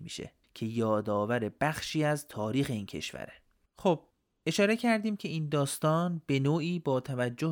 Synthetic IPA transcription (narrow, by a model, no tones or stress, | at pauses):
mḭːʃḛ | cʰe̞jɒːd̪ɒːvæɾe̞b̥æxʃiːæzt̪ʰɒːɾiːxe̞iːncʰe̞̰ʃvæ̰ɾe | xob̥̚ | ʔe̞ʃɒːɾe̞cʰæɾd̪iːmcʰe̞iːnd̪ɒːst̪ɒːnb̥e̞noːiːbɒːt̪ʰævæd͡ʒːo